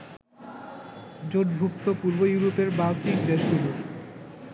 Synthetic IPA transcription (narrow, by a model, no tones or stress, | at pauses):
d͡ʑoʈbʱukt̪opuɾbojuɾopeɾbawt̪ikd̪eʃɡuluɾ